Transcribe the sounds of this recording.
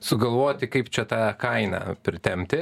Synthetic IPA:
sʊɡɐlˠʋoːt̪ʲɪkɐɪpt͡ʃʲɛt̪ɑːkɐɪnɑ̰pʲɾʲɪt̪ʲɛmʲt̪ʲɪ

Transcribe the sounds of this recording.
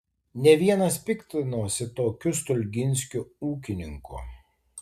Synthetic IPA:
nʲɛʋʲiɛnɐspʲɪkt̪ʲɪnuːsʲɪt̪oːkʲʊst̪ʊlʲɡʲɪnʲsʲkʲʊuːkʲɪnʲɪŋkʊ̰

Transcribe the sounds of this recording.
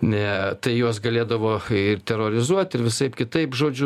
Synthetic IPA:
nɛt̪ɐɪjuɔs̬ɡɐlʲeːd̪ɐʋoːɪrt̪ʲɛɾoːɾʲɪzuɔt̪ʲɪrʋʲɪsɐɪpkʲɪt̪ɐɪpʒoːd͡ʒʲʊ

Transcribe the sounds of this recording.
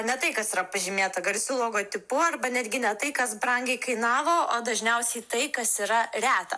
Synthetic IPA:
nʲɛt̪ɐɪkɐsiːɾɐpɐʒʲɪmʲeːt̪ɐɡɐlʲsʲulˠoːɡoːt̪ʲɪpʊɐrbɐnʲæːd̪ʲɡʲɪnʲɛt̪ɐɪkɐsbrɐŋʲɡʲɛɪkɐɪnɑːʋoːoːd̪ɐʒʲnʲɛʊsʲɛɪt̪ɐɪkɐsiːɾɐrʲæːt̪ɐ

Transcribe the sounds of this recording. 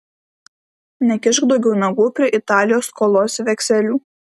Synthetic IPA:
nʲɛkʲɪʃɡd̪ɒʊɡʲɛʊnɐɡuːpʲɾʲiɛʔɪt̪ɑːlʲɪjoːskoːlˠoːsʋʲɛkʲsʲɛlʲuː

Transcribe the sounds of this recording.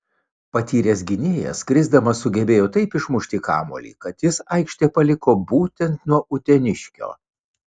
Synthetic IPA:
pɐt̪ʲiːɾʲeːs̬ɡʲɪnʲeːjɛ̰sɡɾʲɪzd̪ɐmɐsʊɡʲɛbʲeːjoːt̪ɐɪpɪʃmʊʃʲt̪ʲikɑ̰ːmṵːlʲḭːkɐt̪jɪsɐɪkʃʲt̪ʲepɐlʲɪkoːbuːt̪ʲɛnt̪nuɔʔʊt̪ʲɛnʲɪʃʲkʲo̰ː

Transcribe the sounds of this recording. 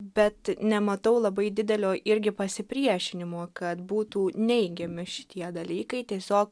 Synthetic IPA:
bʲɛt̪nʲɛmɐt̪ɐʊlˠɐbɐɪd̪ʲɪd̪ʲɛlʲoːʔɪɾʲɡʲɪpɐsʲɪpʲɾʲiɛʃʲɪnʲɪmoːkɐt̪buːt̪uːnʲɛɪɡʲɛmʲɪʃʲɪ̥t̪ʲiɛd̪ɐlʲiːkɐɪt̪ʲiɛsʲoːk

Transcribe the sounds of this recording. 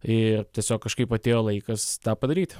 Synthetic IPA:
ɪrt̪ʲiɛsʲoːkkːɐʃkɐɪpɐt̪ʲeːjoːlˠɐɪkɐst̪ɑːpɐd̪ɐɾʲiːt̪ʲ

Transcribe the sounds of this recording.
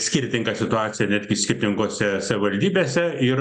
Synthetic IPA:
sʲkʲɪɾʲt̪ʲɪŋɡɐsʲɪt̪ʊɑːt̪sʲɪjɛnʲæːd̪ʲɡʲɪsʲkʲɪɾʲt̪ʲɪŋkoːsʲɛsɐʋʲɪʋɐlʲd̪ʲiːbʲeːsʲɛɪr

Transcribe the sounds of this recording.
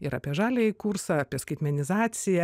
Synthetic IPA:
ɪɾɐ̰pʲiɛʒɑːlʲeikursɐɑːpʲiɛskɐɪt̪ʲmʲɛnʲɪzɑːt̪sʲɪjɛ

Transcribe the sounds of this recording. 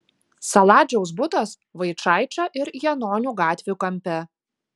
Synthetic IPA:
sɐlˠɑːd͡ʒʲɛʊs̬bʊt̪ɐs | ʋɐɪt͡ʃɑˑɪt͡ʃʲoːʔɪɾjɛnoːnʲuːɡɑːt̪ʲʋʲjuːkɐmʲˑpʲɛ

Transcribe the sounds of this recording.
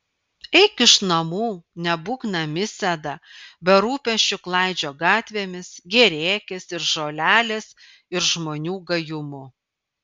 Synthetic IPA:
ɛɪkɪʃnɐmuːnʲɛbuːknɐmʲɪsʲɛd̪ɐbʲɛɾuːpʲɛʃʲt͡ʃʲʊklˠɑɪd͡ʒʲoːɡɑːt̪ʲʋʲeːmʲɪsɡʲɛɾʲeːkʲɪsɪɾʒoːlʲæːlʲeːs | ɪɾʒmoːnʲuːɡɐjʊmʊ

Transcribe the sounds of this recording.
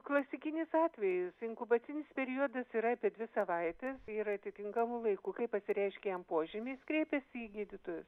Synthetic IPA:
klˠɐsʲɪkʲɪnʲɪsɑːt̪ʲʋʲɛjɪsɪŋkʊbɐt̪sʲɪnʲɪspʲɛɾʲiod̪ɐsiɾɐɐpʲiɛd̪ʲʋʲɪsɐʋɐɪt̪ʲɛsiːɾɐt̪ʲɪt̪ʲɪŋkɐmulˠɐɪkukɐɪpɐsʲɪɾʲɛɪʃʲkʲɛjɛmpoɔʒʲɪmʲeskɾʲeːpʲɛsʲiːɡʲiːd̪ʲɪt̪oːjʊs

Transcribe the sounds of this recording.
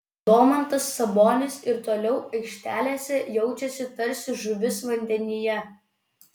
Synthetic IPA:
d̪oːmɐnt̪ɐsːɐboːnʲɪsɪɾt̪oːlʲɛʊɐɪkʃʲt̪ʲæːlʲeːsʲɛjɛʊt͡ʃʲɛsʲɪt̪ɐɾʲsʲɪʒʊʋʲɪsʋɐnʲd̪ʲɛnʲɪjɛ

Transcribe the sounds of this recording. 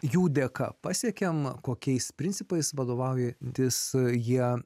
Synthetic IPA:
juːd̪ʲekɐ̰pɑːsʲiɛkʲɛmkoːkʲɛɪspʲɾʲɪnʲtsʲɪpɐɪsʋɐd̪oːʋɐʊjɛt̪ʲɪsjiɛ

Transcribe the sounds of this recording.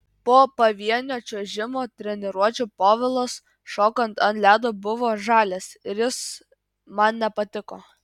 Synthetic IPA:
poːpɐʋʲiɛnʲoːt͡ʃʲoʒʲɪmoːt̪ʲɾʲɛnʲɛɾuɔt͡ʃʲuːpoːʋʲɪlˠoːs | ʃoːkɐnt̪ɐnlʲæːd̪obʊʋoːʒɑːlʲeːsɪɾjɪs | mɐnnʲɛpɐt̪ʲɪkoː

